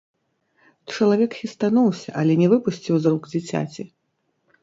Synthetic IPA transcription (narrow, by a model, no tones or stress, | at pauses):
t͡ʂɐlˠavʲɛkxʲist̪anɔwsʲɐʔɐlʲɛnʲɛvɨpusʲt͡sʲiwzrɔɡd͡zʲit͡sʲa̰t͡sʲi